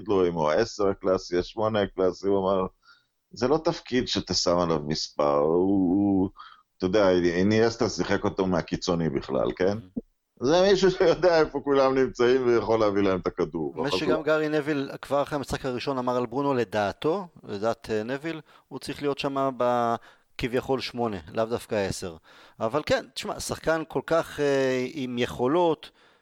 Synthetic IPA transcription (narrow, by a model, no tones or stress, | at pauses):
id̪lo̞imoaeseʁaklasiaʃmo̞neaklasiuamaʁ | zelo̞t̪afkid̪ʃet̪esamalavmispa̰ʁuu | t̪ojod̪eainiest̪asiχeko̞t̪omeakit͡sonibiχla̰lke̞n | zemiʃuʃejo̞d̪eaefo̞kulamnimt͡saimvejaχo̞leavilaemt̪akad̪uʁeʃeɡamɡaʁinevilkvaʁχamisχakhaʁiʃo̞namaʁalbʁuno̞le̞d̪aːt̪o̞led̪aːt̪ʰenevil | ut͡sʁiχlijo̞tʃamaba | kivjaχo̞lʃmo̞ne̞lʔavd̪afkae̞se̞ʁavalke̞nt̪i̥ʃma̰saχkanko̞lkaχeimjeχo̞lo̞t̪